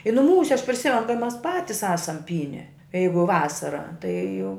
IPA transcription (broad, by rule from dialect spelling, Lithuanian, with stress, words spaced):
ɪ nʊˈmuːsʲɛ ɐʃ pʲrʲɪˈsʲɪmʲɛn kɐɪ ˈmʲɛs ˈpɑːtʲɪs ˈɑːsɐm ˈpʲiːnʲɛ ˈjɛɪɡʊ ˈʋɑːsɐrɐ tɐɪ jɛʊ